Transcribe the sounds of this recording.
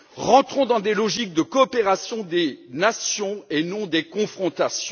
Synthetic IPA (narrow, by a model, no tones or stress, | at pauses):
ʁɑ̃t̪χɔ̃d̪ɑ̃d̪elɔʒik̚d̪əkɔːpeʁasjɔ̃d̪enasjɔ̃enɔ̃d̪ekɔ̃fχɔ̃t̪asjɔ̃